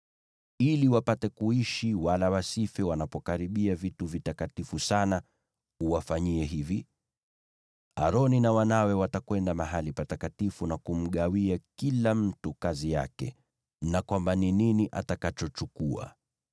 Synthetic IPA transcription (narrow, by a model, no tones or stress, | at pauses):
iliwapatɛkuiʃiwalawasifɛwanapɔkaɾiɓiavituvitakatifusana | uwafaɲiɛɦivi | a̰ɾɔninawanawɛwatakwɛndamaɦalipatakatifunakum̩ɠawiakilam̩tukazija̰kɛ̰ | nakwambanininiʔatakat͡ʃɔt͡ʃukua̰